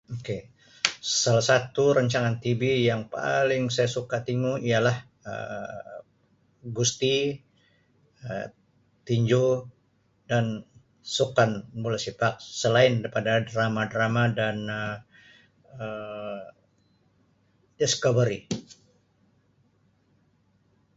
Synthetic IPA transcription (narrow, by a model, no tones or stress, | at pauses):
oke | salahsat̪uɾəɲt͡ʃaŋant̪ibijaŋpa̰lɪŋsajasukat̪iŋuialah | ə̰ | ɡust̪i | ə | t̪iɲd͡ʒu | dan | sukanbulasipak̚səlaɪnipadadramadɾamadanə | ə | dɛskovəɾi